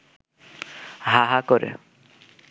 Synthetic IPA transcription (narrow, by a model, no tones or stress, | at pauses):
ɦaɦakɔɾḛ